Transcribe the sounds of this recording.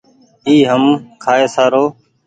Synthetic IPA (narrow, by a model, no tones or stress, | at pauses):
iːɦəmkʰaːeːsaːɾoː